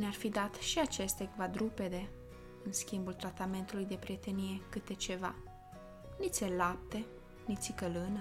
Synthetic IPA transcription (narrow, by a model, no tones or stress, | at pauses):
nearfid̪at̪ʃiat͡ʃe̞st̪ʲekvad̪ɾupe̞d̪e̞ | ɨnskʲimbult̪ɾat̪ame̞nt̪ulujd̪e̞pɾije̞t̪e̞nije̞kɨt̪e̞t͡ʃe̞va̰ | nit̪sʲelap̚t̪e̞ | nit̪sʲikəlɨnə